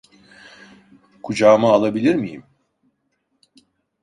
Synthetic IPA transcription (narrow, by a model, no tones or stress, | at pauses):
kʰud͡ʒaːmaːlˠabilʲiɾmijḭm